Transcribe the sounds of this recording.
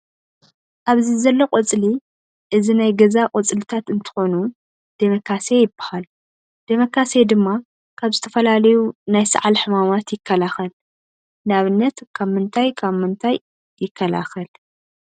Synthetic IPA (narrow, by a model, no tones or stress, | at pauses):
ʔaβzizɐlːoqʼot͡sʼli | ʔɨzinajɡɐzaqʼot͡sʼlɨt̪ʰat̪ɨnt̪ʰɨ̥xo̞nu | d̪̥emɐkʰːasejɪbɐ̥hal | d̪̥emɐkʰːased̪ɨmːa | kʰaβzɨt̪ʰɐfɐlalɐjunajsɨ̰ʕalħɨmamat̪jɪkʰːɐlaxɐl | naβɨnːɐt̪kʰaβmɨnt̪ʰajkʰaβmɨnt̪ʰaj | jɪkʰːɐla̰xɐl